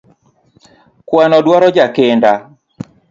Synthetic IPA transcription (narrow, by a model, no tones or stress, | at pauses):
kwanɔdwaɾɔd͡ʒakɪnda